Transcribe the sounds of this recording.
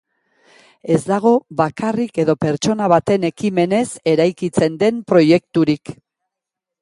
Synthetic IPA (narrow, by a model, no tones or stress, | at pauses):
e̞zd̪aɣ̞o̞βakʰarike̞ðo̞pe̞ɾt͡ʃo̞naβ̞at̪e̞ne̞kime̞ne̞se̞ɾajkit͡se̞nd̪e̞mpɾo̞je̞k̚t̪uɾik